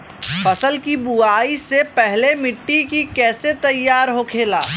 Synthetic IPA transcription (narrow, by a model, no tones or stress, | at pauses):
fəsəlkibuaːisepɛɦlemɪʈːikikɛːset̪ɐjːaːɾɦokʰeːlaː